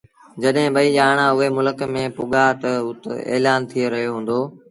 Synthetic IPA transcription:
d͡ʑɐɗɦɪ̃ɓɐiːʄaːɽ̃ãʊɦemʊləkmẽːpʊɠat̪ɐʊt̪ḛːlaːnt̪ʰieɾɐɦjoɦũːn̆d̪oː

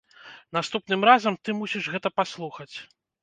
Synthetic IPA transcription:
nast̪upnɨmɾazɐmt̪ɨmusʲiʐɣɛt̪ɐpaslˠuxɐt͡sʲ

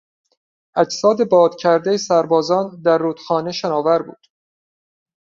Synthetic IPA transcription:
ʔæd͡ʒsɒːd̪e̞bɒːd̪̥cʰæɾd̪e̞jesæɾbɒːzɒːnd̪æɾːuːt̪xɒːne̞ʃenɒːvæɾbṵːd̪̥

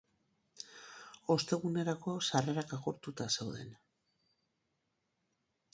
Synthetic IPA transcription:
o̞st̪e̞ɣune̞ɾako̞sare̞ɾakaɣoɾt̪ut̪ase̞wðe̞̰n

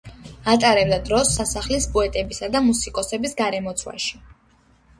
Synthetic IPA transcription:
at̪ʼaɾɛbd̪ad̪ɾɔsːasaχlisbuɛt̪ʼɛbisad̪amusikʼɔsɛbisɡaɾɛmɔt̪sʰwa̰ʃi̥

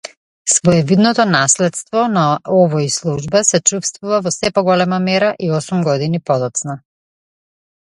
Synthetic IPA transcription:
svɔɛvid̪nɔt̪ɔnaslɛt̪st̪vɔnaɔvɔislˠuʒbasɛt͡ʃufst̪vuvavɔsɛpɔɡɔlɛmamɛɾaʔiɔsumɡɔd̪inipɔd̪ɔt̪sna

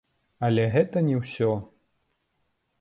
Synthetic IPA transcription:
ɐlʲɛɣɛt̪ɐnʲɛwsʲɔ

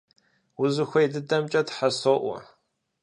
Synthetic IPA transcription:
wʊzɨxʷɔjdɨdɐmt͡ʃʼɐtħasoʔʷɔ̰

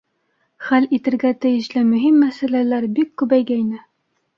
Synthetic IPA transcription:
χælit̪ɘ̆ɾɡæt̪ɘ̆jɘ̆ɕlɘmɵ̆ɦimːæsælælæɾbikːʉbæjɡæinɘ

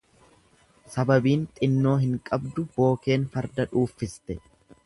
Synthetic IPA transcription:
sɐbɐbiːnt̪ʼɪnːo̞ːɦɪŋkʼɐbd̪ʊb̥o̞ːke̞ːnfɐɾd̪ɐᶑuːfːɪst̪ɛ

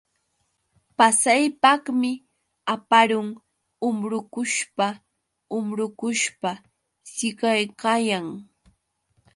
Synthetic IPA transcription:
pasajpɑχmɪ | apaɾʊŋ | ʊmɾʊkʊʃpa | ʊmɾʊkʊʃpa | sɪɢajkajaŋ

